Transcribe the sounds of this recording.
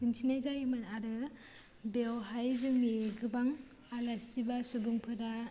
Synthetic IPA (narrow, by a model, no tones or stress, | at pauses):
bɯnsʰinazajimɯnaɾɯ | bewɦajzɯŋmeɡɯbaŋ | alasibasubuŋpʰɯɾa